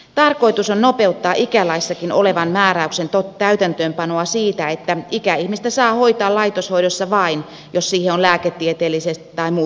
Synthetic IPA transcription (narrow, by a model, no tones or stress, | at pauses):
t̪ɑrkoit̪usonnopeut̪ːɑːʔikælɑisːɑkino̰leʋɑnmæːɾæyksent̪ot̪æyt̪ænt̪øːmpɑnoɑsiːt̪æet̪ːæikæihmist̪æsɑːhoit̪ɑːlɑit̪oshoidosːɑʋɑin | jossiːheolæːket̪ːiet̪eːlːisest̪i̥t̪ɑimuː